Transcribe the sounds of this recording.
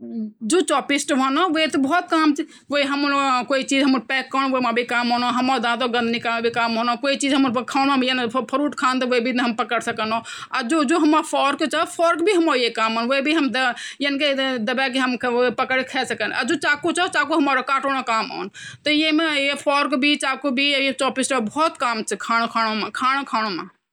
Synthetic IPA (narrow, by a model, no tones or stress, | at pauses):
d͡ʒot͡ʃɔpisʈbʱɔnoʋot̪ɔbɔɔt̪̚kamt͡ʃʰi | ʋoiɦəmɾkoit͡ʃid͡ʒɦəməɾpɛkːəñʋomabʱikamɦonoɦəmad̪ãt̪̬oɡə̃nd̪ʱnikamebʱikamɦonɔkoit͡ʃid͡ʒɦəməɾkʰawnmemjenpʰəɾuʈkʰant̪ɔʋoibʱinɦəmpəkəɽsəkənoad͡ʒod͡ʒoɦəmapʰɔɾkt͡ʃapʰɔɾkbʱiɦəmojekaːmɦoːnʋoibʱiɦəmd̪əjenked̪əbɛk̬eɦəmpəkəɽekʰɛsəkəna̰d͡ʒot͡ʃaːkot͡ʃat͡ʃaːkuɦəmaɾokaːʈoɽ̃õkaːmɔ̰nt̪ɔjemejepʰɔɾkbʱit͡ʃaːkobʱiet͡ʃɔbisʈabʱɔːt̪kaːmt͡ʃʰɛkʰaːñokʰaːɽ̃omakʰaːɽ̃okʰaːɽ̃oma